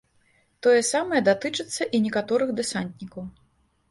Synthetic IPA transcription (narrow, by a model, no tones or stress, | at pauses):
t̪ɔjɛsamɐjɛd̪at̪ɨt͡ʂɨt̪sːɐʔinʲɛkat̪ɔɾɨɣd̪ɛsant̪nʲikɐw